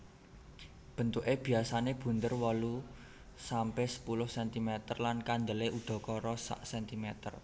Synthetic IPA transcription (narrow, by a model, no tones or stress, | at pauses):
b̥ə̤nt̪uʔeb̥i̤asaneb̥ṳnt̪ərwɔlu | sampɛsə̥pulʊhsɛnt̪imet̪ərlankand̪əleʔud̪̥ɔ̤kɔɾɔsa̰ʔsɛnt̪imɛt̪ə̰r